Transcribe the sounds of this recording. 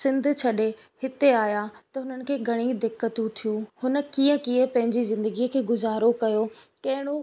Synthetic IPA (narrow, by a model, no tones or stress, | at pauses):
sɪ̃nd̪ʱt͡ɕʰɐɗe | hɪt̪eaːjat̪ɐɦʊnənɪ̆kʰeːɡʱɐɽ̃ĩd̪ɪkːət̪ũt̪ʰijũhʊnə̆kiːə̃kiːə̃pɐ̃ɦɪ̃ɲd͡ʑizɪ̃nd̪əɡiəkʰeːɡʊzaːɾokɐjo | kɐɦɪɽ̃o